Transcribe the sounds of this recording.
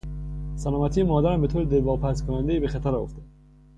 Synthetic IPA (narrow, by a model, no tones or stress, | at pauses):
sælɒːmæt̪ʰiːemɒːd̪æɾæmbe̞t̪ʰoːɾed̪elvɒːpʰæskʰonænd̪ejiːbexæt̪ʰæɾɒoft̪æ̥